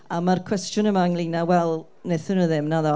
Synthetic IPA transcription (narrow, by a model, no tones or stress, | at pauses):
amarkʰw̥ɛstjʊnəmaŋlˠinawɛlˠ | neθənəðɪmnaðɔ